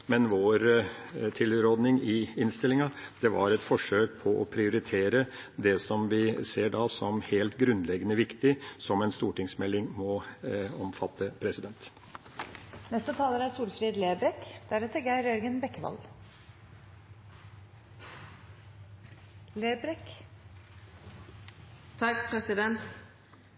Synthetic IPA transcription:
mɛnʋoːɾt̪ʰɪlɾoːd̪nɪŋɪɪnst̪ɪlɪŋɑd̪̥ɛʋɑ̰ɾɛt̪fɔʂøːk̚pʰɔʔɔpʰɾɪʊɾɪt̪ʰeːɾə | d̪ɛsɔmʋɪseːɖɑːsɔmheːlt̪ɡɾʉnd̪lɛɡənəʋɪkt̪ɪsɔmɛnst̪uːʈɪŋsmɛlːɪŋmɔɔmfɑt̪ʰːəpʰɾɛsɪd̪ɛnt̪ | nɛst̪ət̪ʰɑːləɾæɾsuːlfɾiːd̪leːbɾɛkd̪̥æɾɛt̪əɡæɪɾœɾɡənbɛkːʋɑ̰l | leːbɾɛk | t̪ʰɑkpʰɾɛsɪd̪ɛnt̪

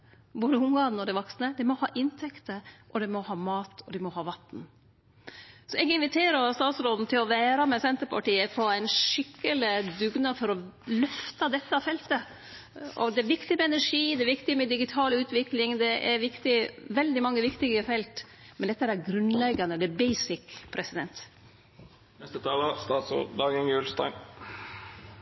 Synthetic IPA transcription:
boːd̪əʊmɡɑːn̩ɔd̪ɛʋɔksnəd̪ɛmɔhɑ̰ːʔɪnt̪ʰɛkt̪əʔɔd̪ɛmɔhɑːmɑːt̪ʰɔd̪ɛmɔɦɑːʋɑt̪n̩ | sɔɛɡɪnʋɪt̪ʰeːɾəɾst̪ɑːt̪sɾɔd̪n̩t̪ʰɪlɔʋæːɾɑmɛsɛnt̪əɾpʰɑʈiːəpʰɔæɪnʂɪkːəlɪd̪ʉɡnɑfɔɾɔlœft̪ɑd̪ɛt̪ːəɑfɛlt̪ə | ɔ̰d̪ɛæɾʋɪkt̪ɪmɛɛnæʂiːd̪ɛʋɪkt̪ɪmɛd̪ɪɡɪt̪ʰɑːlʉːt̪ʋɪklɪŋd̪ɛʔɛɾʋɪkt̪ɪʋɛld̪ɪmɑŋːəʋɪkt̪ɪɡəfɛlt̪mɛnd̪ɛt̪ːəæɾæɾɡɾʉnlɛɡɑnəd̪ɛbɛɪsɪkpʰɾɛsɪd̪ɛ̰nt̪ | nɛst̪ət̪ʰɑːləst̪ɑːt̪sɾo̰ːd̪d̪ɑːɡənjʉːlst̪ɑ̰n

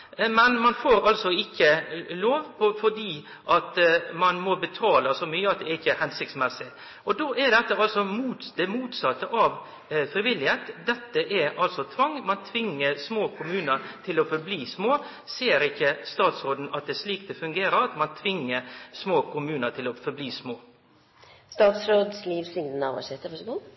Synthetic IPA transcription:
mɛnmɑnfoːɾɑlsɔɪkːəloːʋpʰɔfɔɖiː | ʔɑt̪mɑnmɔbət̪ʰɑːləsɔmyːəɑt̪̚d̪ɛɛɾɪçːəhɛnsɪkt̪smɛsɪ | ʔɔd̪oʔɛɾd̪ɛt̪ːəɑlsɔmuːd̪ɛmuːt̪sɑt̪ːəʔɑʋ | fɾɪʋɪlːɪheːt̪d̪ɛt̪ːəʔɛɾɑlsɔt̪ʰʋɑŋːmɑnt̪ʰʋɪŋːəɾsmoːkʰʊmʉːnəɾt̪ʰɪlɔfɔɾbliːsmoː | seːɾɪçːəst̪ɑːt̪sɾoːd̪n̩ɑt̪̚d̪ɛsliːktd̪ɛfʉŋɡeːɾəɾɑt̪mɑnt̪ʰʋɪŋːəɾsmoːkʰʊmʉːnət̪ʰɪlɔfɔɾbliːsmoː | st̪ɑːt̪sɾoːd̪sliːʋslɪŋd̪ənɑʋɑ̰sɛt̪ːəʋɑɡuː

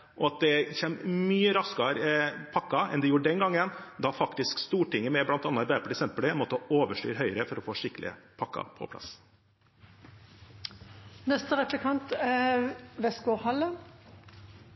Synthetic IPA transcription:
ʔɔɑt̪̚d̪ɛçɛːmmyːəɾɑskɑɾpʰɑkːɑɛ̰nd̪ɛjuːɖɛnɡɑŋːənd̪ɑfɑkt̪ɪskst̪uːʈɪŋːəmɛblɑnt̪ɑnːəʋæpəɖəsɛmpəɽɪnmɔːt̪ːəɔoːʋəʂʈy̰ːɾɦœʏəɾəfɔɾɔfoːʂɪkːlɪ̰ə̰pʰɑkːɑ̰pʰɔ̰pʰlɑ̰s | nɛst̪əʁɛplɪkʰɑnt̪ɛʋɛskʊhɑlːə

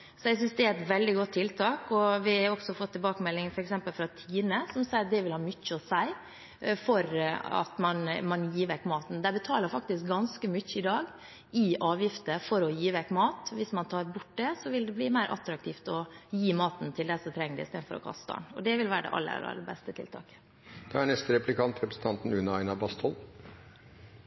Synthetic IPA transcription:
sɔɛɡs̬ʏnsd̪ɛæɾɛt̪ʋɛld̪ɪɡɔt̪ʰːɪlt̪ʰɑːkɔʋɪæɾɔksɔfɔt̪ːɪbɑːkəmɛlːɪŋfɔɾɛksɛmpəlfɾɑt̪ʰiːnəsɔmsæɪɾɑd̪ɛʋɪlhɑːmʏçːəɔsæɪ | fɔɾɑ̰t̪mɑnmɑnjiːʋɛkːmɑːt̪n̩d̪æbət̪ʰɑːləɾfɑk̚t̪ɪsk̚ɡɑnskəmʏçːəɪd̪ɑːɡ | ɪʔɑːʋjɪft̪əfɔɾɔjiːʋɛkːmɑːt̪ʋɪsmɑnt̪ʰɑːɾbʊʈ̚ːd̪ɛsɔʋɪld̪ɛbliːmæɪɾʔɑ̰t̪ɾɑk̚t̪ʰiːft̪ɔjiːmɑːt̪n̩t̪ʰɪld̪æsɔmt̪ʰɾɛŋːəɖɛ̰ɪst̪eːd̪n̩fɔɾɔ̰kʰɑ̰st̪ɑ̰ɳɔ̰d̪ɛʋɪlʋæːɾəɖɛ̰ʔɑ̰lːə̰ɑ̰lʔɑ̰lːəbɛst̪ət̪ʰɪ̰lt̪ʰɑ̰ːkə̥ | d̪̥ɑæɳɛst̪əɾɛplɪkʰɑnt̪ɾɛpɾəsn̩t̪ɑnt̪n̩ʉnəɑɪnɑbɑst̪ʰɔl

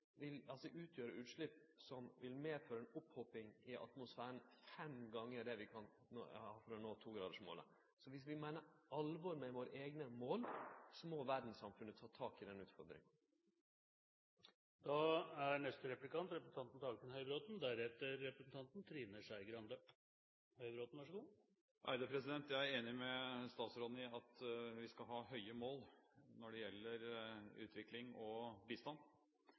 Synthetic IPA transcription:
ʋɪlɑlsɔʔʉːt̪ʰjøːɾəʉːt̪ʂɭʏpː | sɔmʋɪlmeːføːɾəɛnʊphɔpːɪŋɪʔɑ̰t̪mʊsfæːəɳ̩fɛmɡɑŋːəɖ̪ɛʋɪkʰɑn | hɑːfɔɾɔnoːt̪ʰuːɡɾɑːd̪əʂmo̰ːlə̰ | sɔʋɪsʋɪmæɪnəɾɑlʋɔɾmɛʋoːɾəʔeːɡnəmoːlsɔmɔʋæɖn̩ssɑmfʉnːət̪ʰɑːt̪ʰɑːkɪd̪ɛnʉːt̪fɔɾd̪ɾɪ̰ŋɑ | d̪̥ɑæɾɳɛst̪əɾɛplɪkɑnt̪ɾɛpɾəsn̩t̪ɑnt̪n̩ɑɡkənhœʏbɾoːd̪n̩d̪æɾɛt̪ːəɾːɛpɾəsn̩t̪ʰɑnt̪nt̪ʰɾiːnəʂæɪɡɾɑnd̪ə | hœʏɾoːd̪n̩ʋɑʂəɡuː | ʔæ̰ɪɾd̪əpʰɾɛsɪd̪ɛnt̪jæɪæɾeːnɪmɛst̪ɑːt̪sɾoːd̪n̩ɪɑt̪ʋɪskɑlɦɑːhœʏəmoːlnɔɖɛjɛlːəɾʉ̰ːt̪ʰʋɪklɪŋɔbiːst̪ɑnː

